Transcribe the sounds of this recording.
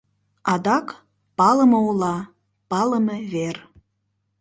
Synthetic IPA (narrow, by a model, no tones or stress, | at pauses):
ɑd̪ɑk | pɑləməulɑ | pɑləmeβer